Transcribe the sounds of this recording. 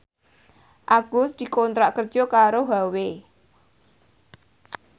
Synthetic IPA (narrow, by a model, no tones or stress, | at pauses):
ʔaɡ̥ʊst̪̚d̪̥i̤kɔnt̪ɾaʔkər̥ʒ̥ɔkaɾoɦawe